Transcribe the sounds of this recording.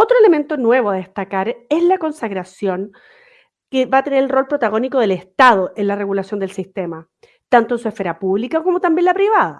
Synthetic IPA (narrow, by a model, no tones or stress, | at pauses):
ot̪ɾoe̞le̞me̞nt̪onwe̞βoaðest̪akaɾezlako̞nsaɣɾasjo̞n | keβaːt̪e̞neɾelro̞lpɾo̞t̪aɣo̞nikoðeleht̪að̞oʔenlareɣulasjo̞nd̪elsist̪e̞ma | t̪ant̪oensuesfe̞ɾapuβlikakomot̪ambjenlapɾiβaða̰